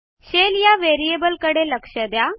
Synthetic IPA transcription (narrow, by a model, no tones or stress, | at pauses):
ɕeljaʋeɾiebəlkəɽeləkʂəd̪ja